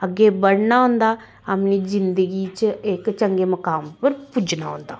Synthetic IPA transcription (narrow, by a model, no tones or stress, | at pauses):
əɡːeːbəɽnaːɦʊ̃ːnd̪aː | əpniːzɪnd̪əɡiːt͡ʃɪkt͡ʃəŋɡeːməkaːmpəɾpud͡ʒnaːɦõ̰ːnd̪aː